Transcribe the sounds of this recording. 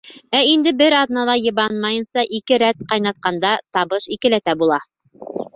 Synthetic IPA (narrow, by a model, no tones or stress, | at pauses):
æind̪ɘbɘɾɑðnɑlˠɑjɤ̆βɑnmɑjɤ̆nsɑʔikɘɾæt̪qɑjnɑt̪̚qɑnd̪ɑt̪ɑβɤʃikɘ̆læt̪æbulˠɑ